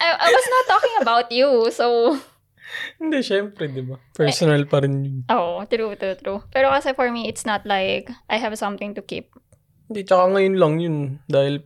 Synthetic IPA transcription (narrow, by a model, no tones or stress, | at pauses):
ʔajʔajwɐsnɐt̪ːɔkɪ̃ŋɐbawt̪juso | hɪnd̪ɛʃɛɛmpɾɛd̪ɪbapɛɹsɔnɐlpɐɾɛnjʊnʔoːʔot̪ɾut̪ɾut̪ɾupɛɾokɐsɛfɔɹmiɪt̪snɐt̪̚lajkʔajɦɛvsɐ̃mθɪ̃ŋt̪ʊkḭp̚ | hɪnd̪ɛt͡ʃɐkaŋɐjonlɐŋjʊnd̪aːhɪl